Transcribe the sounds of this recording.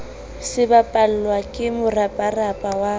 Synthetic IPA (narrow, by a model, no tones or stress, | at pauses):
sɪbapʼal̩lwakʼɪmʊrapʼarapʼawa